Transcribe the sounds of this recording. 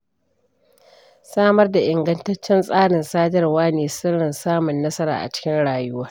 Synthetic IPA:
saː˦mɐ˦rda˨ʔɪ˨ŋɡɐ˦ntɐ˦t͡ʃːɛ˦nsʼaː˦ɽɪ˨nsaː˦dɐ˦rwaː˦neː˨sʊ˦ɽɪ˨nsaː˦mʊ˨nːɐ˦sɐ˦ɾa̰ː˨ʔa̰˨t͡ʃɪ̥˦kʲɪ˦nɽaː˨jʊ˦waː˦r

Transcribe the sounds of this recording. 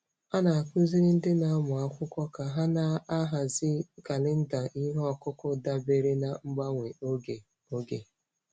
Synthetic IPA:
a˦na˨a˨ku˦zi˦ɾɪ˦n̩˦dɪ˦na˨˦mʊ˨a˦kʷʊ˦kʷɔ˦ka˨ɦa˦na˦a˦ɦa˨zɪ˦ka˨lɪ˦n̩˦da˨ʔi˦ɦɔ˨kʊ˦kʊ˦da˦be˨ɾe˦na˨ŋ͡m̩˦ɡ͡ba˦ŋʷe˨o˦ɡe˨ | o˦ɡḛ˨

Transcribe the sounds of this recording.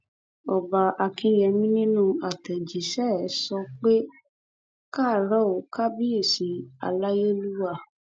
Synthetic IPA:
ɔ˨ba˨a˧kĩ˨˧˦jɛ˧mĩ˦nĩ˦nũ˦a˨tɛ˨d͡ʒi˨ʃɛ˦ɛ˨˦sɔ˧k͡pe˦ | ka˦˨ɾɔ˦o˨ka˦bi˦e˦˨si˨˦a̰˧la˦je˦lu˦wa˦˨

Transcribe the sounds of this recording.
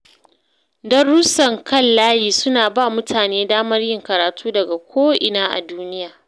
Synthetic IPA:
dɐ˦rːʊ˦sɐ˨ŋkʰɐ˦˨llaː˦jiː˨sʊ˦naː˨baː˦˨mʊ˦tʰaː˨neː˦daː˦mɐ˦rjɪ˦ŋkɐ˨ɾaː˨tʰuː˦dɐ˨ɡa˨kʷʰoː˦ʔɪ˨naː˦ʔa̰˨duː˦nɪ˦jaː˨

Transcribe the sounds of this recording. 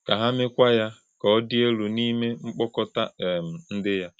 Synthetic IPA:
ka˨ɦa˦mɪ˦kʷa˦ja˦ | kɔ˨ɔ˦di˦e˦lu˨ni˦me˦ŋ͡m̩˦k͡pɔ˦kɔ˦ta˦˨m̩˨n̩˦dɪ˦ja˦

